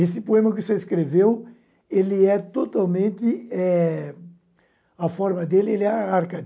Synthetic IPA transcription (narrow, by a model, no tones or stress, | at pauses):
esɪpoẽmɐkʊseeskɾevew | elɪɛt̪ot̪awmẽnt̪ɪɛ | ɐfɔɾmɐd̪elɪelɪɛaɾkɐ